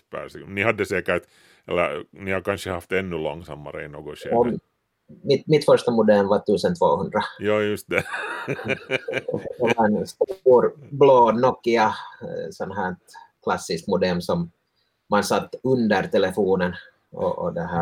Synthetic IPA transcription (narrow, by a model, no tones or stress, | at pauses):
pæ̰sinihɑd̪ːɛseːkæɾt̪ | ɛlænihɑkɑnɕəhɑft̪enːʉlɔ̰ŋːsɑ̰mːɑ̰ɾḛinoɡɔʃeɔ | mɪt̪mɪt̪fœʂt̪ɑmʊd̪ɛlmvat̪ʉ̟ːsənt̪ʰvo̰ːhɵnd̪ɾajɑːjʉst̪d̪ɛ | dɛʋɑɛnst̪uuːɾbloːnɔkːɪɑsɔnɦæːtkʰlɑsːɪskmʊd̪ɛlmsɔm | mɑnsɑt̪ːɵnd̪əɾt̪ʰɛlɛfuːnən | ɔ̰ʔɔ̰d̪ɛɦæː